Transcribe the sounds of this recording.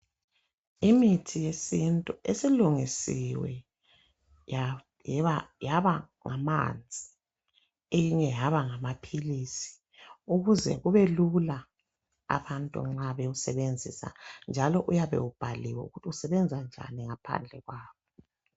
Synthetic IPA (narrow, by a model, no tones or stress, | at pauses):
imitʰijesintʼuʔesiluŋisiwɛ̰ | ja | jajaβa | ŋama̰nd͡zʱi | ejiɲɛjaβaŋamapʰilisi̥ | uɣuzɛ̰ɣuβelula | a̰βantʼṵŋ͡ǁaβɛusɛβend͡zʱisa̰nd͡ʒʱalɔʔujaβɛ̰wub̥ʱaliwɛṵɣutʰiusɛβɛnd͡zʱand͡ʒʱa̰niŋapʰa̰nd͡ɮʱɛɣwaːβɔ